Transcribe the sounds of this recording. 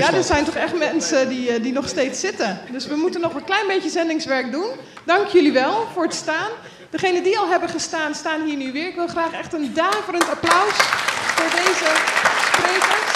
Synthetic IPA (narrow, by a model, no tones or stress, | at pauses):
jaːdəzɛjntɔχɛχtmɛnsədidinɔχstejtsɪtəndɵsʋəmutənːɔχʋəklɛjnbejcəzɛndɪŋsʋɛɹk̚dun | dɑŋkjɵliʋɛlˠv̥ʊːɹətstaːn | dəχejnədiɑlˠɦɛbəχəstaːnstaːnɦiːɹnyʋɪːɹɪkʋɪlˠχraːχɛχtəndaːvərəntaplœɥsfʊːɹdejzəsprejkə